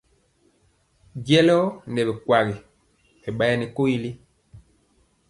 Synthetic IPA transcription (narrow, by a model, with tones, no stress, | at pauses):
ɡɛ˦lɔ˦nɛ˨bɛ˨kwa˨ɣi˨ | ɛ˨ɓa˦ja˦ni˨ko˦i˦li˦